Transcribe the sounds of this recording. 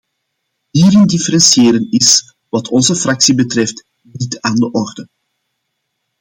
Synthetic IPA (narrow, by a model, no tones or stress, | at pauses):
ɦiːɾɪndɪfəɾɛnsieːɾənɪs | ʋɑtʰɔnzəfrɑksibətrɛft | nitaːndəʔɔrdə